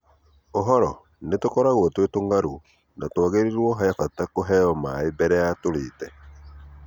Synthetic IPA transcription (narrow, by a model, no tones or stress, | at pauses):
oɦɔɾɔ | netokɔɾaɣwɔtwetoŋɡaɾu | natwaɣeɾiɾwɔɦaafatakoɦɛɔmaebɛɾɛatoɾeːtɛ